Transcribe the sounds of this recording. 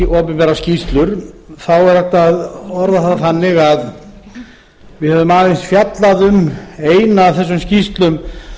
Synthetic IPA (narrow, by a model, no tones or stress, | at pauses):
ʔɔːpɪpɛɾascist̪lʏɾ̥θawɛɾaht̪aðɔɾðaθat̪ːaθanːɪɣað | vɪðhɛvðʏmaːðɪnsfjat̪laðʏmeːjnaːθɛs̬ːʏmscist̪lʏm